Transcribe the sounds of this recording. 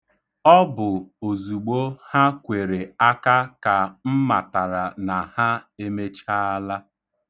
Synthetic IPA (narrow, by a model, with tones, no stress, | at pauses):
ɔ˦bʊ˨o˨zu˨ɡ͡bo˦ha˦kʷe˨ɾe˨a˦ka˦ka˨m̩˦ma˨ta˨ɾa˨na˨ha˦e˦me˦t͡ʃa˦a˦la˦